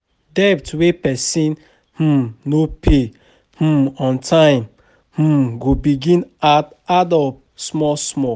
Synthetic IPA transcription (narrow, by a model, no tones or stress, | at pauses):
dɛptwepɛsĩn | h̩nopʰe | h̩mɔ̃ntʰãɪ̃m | h̩ɡobiɡĩnat | adɔp̚ | smɔsmɔ